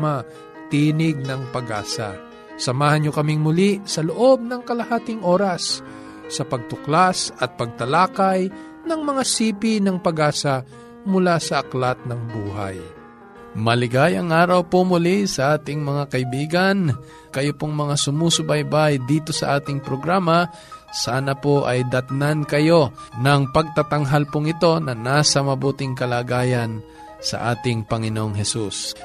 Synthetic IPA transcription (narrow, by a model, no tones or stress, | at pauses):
a | t̪iːnɪɡ̚nɐŋpɐɡa̰ːsɐ̰ | sɐmaːhɐnɲokɐmɪŋmʊlisɐloʔo̞b̚nɐŋkɐlɐhaːt̪ɪŋʔo̞ːɾɐsː | ɐpɐɡ̚t̪ʊklasɐt̪̚pɐɡ̚t̪ɐlaːkɐj | nɐŋmɐŋasiːpinɐŋpɐɡaːsɐ | mʊlasɐʔɐklat̪̚nɐŋbuːɦa̰j | mɐlɪɡajɐŋʔaːɾɐwpomʊlisɐʔaːt̪ɪŋmɐŋakɐɪbiːɡɐn | kɐjopoŋmɐŋasʊmusʊbɐjbajd̪iːt̪o̞sɐʔaːt̪ɪŋpɾoɡɾaːmɐ | saːnɐpoʔɐjd̪ɐt̪nankɐjo̞nɐŋpɐɡ̚t̪at̪ɐŋɦalpʊŋɪt̪o̞nɐnaːsɐmɐbuːt̪ɪŋkɐlaːɡaːjɐn | sɐ̰ʔaːt̪ɪŋpɐŋɪnoʔoŋɦɛsus